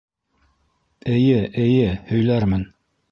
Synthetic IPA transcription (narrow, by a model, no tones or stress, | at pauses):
ɘ̆jɘʔɘ̆jɘhɵ̆jlæɾmɘn